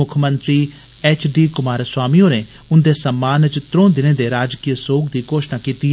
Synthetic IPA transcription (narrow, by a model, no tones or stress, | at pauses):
ʊkʰmənt̪ɾiː | ɛːt͡ʃʰɖiːkʊmaːɾswaːmiːõːneː | ʊnd̪eːsəmːaːnt͡ʃt̪ɾõːd̪ɪnẽːd̪eːɾaːd͡ʒkiːəsoːkd̪iːkoːʃnaːkiːt̪i